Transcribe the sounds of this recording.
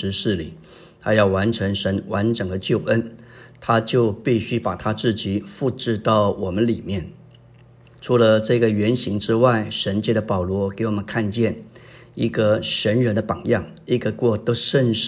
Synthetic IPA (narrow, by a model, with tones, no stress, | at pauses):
ɻ̩˧˥ʂɻ̩˥˩li˨˩ | t̪ʰa˥jɑ˥˩ʊwa˧˥nʈ͡ʂʰɤ˧˥ŋʂə˧˥nwa˧˥nʈ͡ʂɤ˨˩ŋd̪ə˦t͡ɕjo˥˩ʊʔə˥nt̪ʰa˥t͡ɕjo˥˧ʊpi˥˩ɕy˥pa˨˩t̪ʰa˥t͡sɹ̩˥˩t͡ɕi˨˩fu˥˧ʈ͡ʂɻ̩˥˧t̪ɑ˥˩ʊwɔ˨˩mə˦nli˨˩mjɛ˥˩n | ʈ͡ʂʰu˧˥lə˧ʈ͡ʂɤ˥˩ɡə˩ɥɛ˧˥nɕi˧˥ŋʈ͡ʂɻ̩˥wa˥˩ɪʂə˧˥nt͡ɕjɛ˥˩d̪ə˨˩pɑ˨˩ʊlwɔ˧˥ke˧˥ɪwɔ˨˩mə˦nkʰa˥˧nt͡ɕjɛ˥˩n | i˧˥ɡə˧ʂə˧˥nɻə˧˥nd̪ə˧pɑ˨˩ŋjɑ˥˩ŋi˥ɡə˧kwɔ˥˧t̪o˥ʂə˥˧nʂ